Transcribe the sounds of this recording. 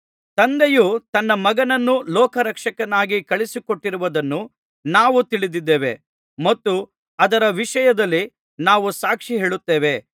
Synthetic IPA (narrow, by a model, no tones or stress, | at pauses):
t̪ɐnd̪ejut̪ɐnːɐmɐɡɐnɐnːulɔːkʰɐɾɐkʂɐkɐnaːɡikɐɭisikoʈːiɾuʋɐd̪ɐnːu | naːʋut̪iɭid̪id̪ːeːʋe̞̰ | mɐt̪ːu | ɐd̪ɐɾɐʋiʂɐjɐd̪ɐlːi | naːʋusaːkʂiɦe̞ːɭut̪ːeːʋe̞